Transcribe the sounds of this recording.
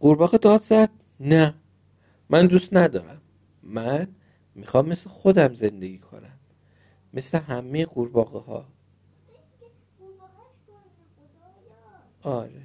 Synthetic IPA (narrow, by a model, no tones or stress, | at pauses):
ɢ̥uɾbɒːɣed̪ɒːd̪zæd̪̥̚ | næ | mænd̪ust̪næd̪ɒːɾæmː | æn | mixɒːmːe̞slexo̞d̪æmze̞nd̪e̞ɡʲiːkʰo̞̰næmː | e̞sle̞ɦæmːejeɣuɾbɒːɣehɒ̰ː | ɒɾe